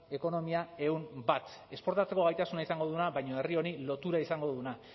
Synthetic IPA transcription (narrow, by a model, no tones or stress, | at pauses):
e̞ko̞no̞miae̞umbat̪ | e̞spo̞ɾt̪at͡se̞ko̞ɣajt̪asunaisaŋɡo̞ðunaβajɲo̞e̞rio̞nilo̞t̪uɾaisaŋɡo̞ðuna